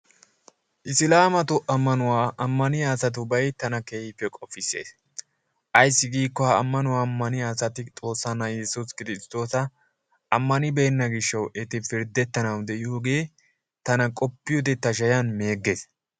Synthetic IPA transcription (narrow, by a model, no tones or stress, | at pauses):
ʔɪsɪlaːmɐt̪ʊʔɐmːɐnʊwaːʔɐmːɐnɪjaːsɐt̪̬ʊbɐjt̪ɐnɐkeːhɪpːɛkʼɔfːɪsːḛːs | ʔɐjsːɪɡiːkːɔwaɐmːɐnʊwaːmːɐnɪaːsɐt̪ɪt̪ʼo̞ːsːɐnːɐjɛsuskɪɾɪst̪o̞ːsɐ | ʔɐmːɐnɪbe̞ːnːɐɡɪʃːɐwʔɛt̪ɪfɪɾd̪ɛt̪ːɐnɐwd̪ɛʔɪhɡeː | t̪ɐnɐkʼɔpːɪjɔd̪ɛt̪ːɐʃ̬ɐjɐnme̞ːɡːe̞ːs